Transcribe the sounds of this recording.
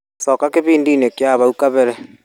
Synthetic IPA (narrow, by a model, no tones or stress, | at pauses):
sɔkakeβiːndiːnekjaβaukaβɛɾɛ